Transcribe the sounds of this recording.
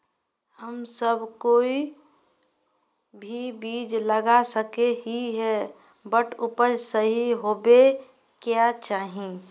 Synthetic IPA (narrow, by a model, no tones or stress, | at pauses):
həmsəbkoːi | bʱibiːd͡ʒləɡasəkeɦiɦɛ | bəʈʰʊpəɾsəɦiɦobe | kjat͡ʃaːɦĩ